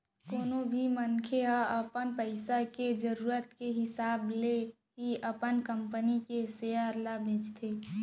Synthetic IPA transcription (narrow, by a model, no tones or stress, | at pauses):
koːnobʱimənkʰeɦaəpənpəɪsaked͡ʒəɾuːɾət̪keɦɪsaːble | ɦiəpənkəmpənikeseːəɾlabʱẽd͡ʒt̪ʰe